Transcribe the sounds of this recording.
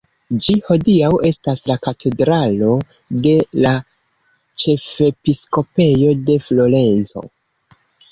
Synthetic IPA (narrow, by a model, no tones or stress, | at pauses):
d͡ʒiho̞diawe̞staslakatʰe̞dɾalo̞ | de̞la | t͡ʃe̞fepisko̞pe̞jo̞de̞flo̞ɾe̞nt͡so̞̰